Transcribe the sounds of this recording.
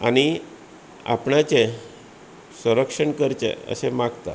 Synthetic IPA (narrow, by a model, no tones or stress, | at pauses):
añi | a̰pɳat͡ɕe | sə̃ɾəkʂəɳkəɾt͡ɕḛə̰semaɡt̪a